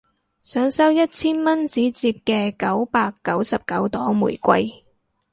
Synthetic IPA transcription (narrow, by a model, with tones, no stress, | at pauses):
sœː˨˥ŋsɐ˥wjɐ˥t̚t͡sʰiː˥nmɐ˥nt͡siː˨˥t͡siː˧p̚kɛː˧kɐ˨˥wpaː˧kːɐ˨˥wsɐ˨p̚kɐ˨˥wt̪ɔː˨˥ŋmṵː˨˩jkʷɐ̰˧j